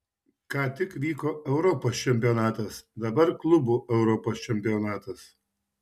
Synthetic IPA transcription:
kɑːt̪ʲɪkʋʲiːkoːɛʊɾɔpoːst͡ʃʲɛmʲpʲɪjɔnɑːt̪ɐsd̪ɐbɐɾklˠʊbuːʔɛʊɾɔpoːst͡ʃʲɛmʲpʲɪjɔnɑːt̪ɐs

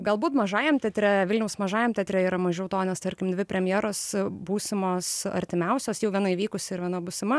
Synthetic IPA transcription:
ɡɐlˠbuːt̪mɐʒɑːjɛmt̪ʲɛt̪ʲɾʲɛʋʲɪlʲnʲɛʊsmɐʒɑːjɛmt̪ʲɛt̪ʲɾʲɛiːɾɐmɐʒʲɛʊt̪oːnʲɛst̪ɐɾʲkʲɪmd̪ʲʋʲɪpʲɾʲɛmʲjæːɾoːsbuːsʲɪmoːsɐ̰ɾʲt̪ʲɪmʲɛʊsʲoːsjɛʊʋʲiɛnɐiʋʲiːkʊsʲɪɪɾʋʲiɛnɐbʊsʲɪmɐ

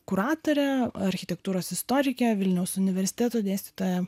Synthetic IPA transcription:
kʊɾɑːt̪oːɾʲɛɐɾʲxʲɪt̪ʲɛkt̪uːɾoːsɪst̪oːɾʲɪkʲɛʋʲɪlʲnʲɛʊsʊnʲɪʋʲɛɾʲsʲɪ̥t̪ʲæːt̪oːd̪ʲeːsʲt̪ʲiːt̪oːjɛ

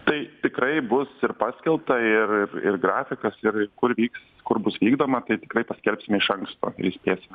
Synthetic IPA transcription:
t̪ɐɪt̪ʲɪkɾɐɪbʊsɪɾpɑːsʲkʲɛlˠp̚t̪ɐɪrɪrɪ̰rɡɾɑːfʲɪkɐsɪrɪkʊɾʋʲiːks | kʊɾbʊsʋʲiːɡd̪oːmɐt̪ɐɪt̪ʲɪkɾɐɪpɐsʲkʲɛlʲpʲsʲɪmʲɪʃɐŋkst̪o̰ːɪ̰ɾɪsʲpʲeːsʲɪmʲ

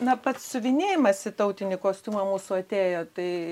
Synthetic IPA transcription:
nɐpɐt̪ssʊʋʲɪnʲeːjɪmɐsʲɪt̪ɐʊt̪ʲɪnʲɪkoːsʲt̪ʲuːmɐmuːsʊɐt̪ʲeːjoːt̪ɐɪ

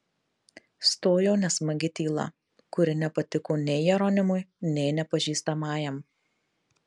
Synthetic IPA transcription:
st̪oːjoːnʲɛsmɐɡʲɪt̪ʲiːlˠɐ̰ | kʊɾʲɪnʲɛpɐt̪ʲɪkoːnʲɛɪjɛɾoːnʲɪmʊjnʲɛɪnʲɛpɐʒʲiːst̪ɐmɑːjɛm

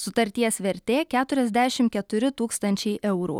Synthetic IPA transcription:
sʊt̪ɐɾʲt̪ʲiɛsʋʲɛɾʲt̪ʲeːkʲæːt̪ʊɾʲɛzʲd̪ʲæːʃʲɪmkʲɛt̪ʊɾʲɪt̪uːkst̪ɐnʲt͡ʃʲɛɪʔɛʊɾṵː

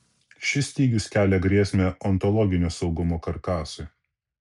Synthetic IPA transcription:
ʃʲɪsʲt̪ʲiːɡʲʊskʲæːlʲɛɡɾʲiɛsʲmʲɛɔnt̪ɔlˠɔɡʲɪnʲoːsɒʊɡʊmoːkɐɾkɑːsʊɪ

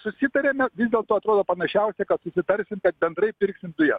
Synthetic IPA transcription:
sʊsʲɪt̪ɐɾʲeːmʲɛʋʲizʲdʲeɛlˠt̪oːɐt̪ɾoːd̪oːpɐnɐʃʲɛʊsʲɛkɐt̪sʊsʲɪt̪ɐɾʲsʲɪmkɛt̪̚bʲɛnd̪ɾɐɪpʲɪɾʲksʲɪmd̪ʊjɛs

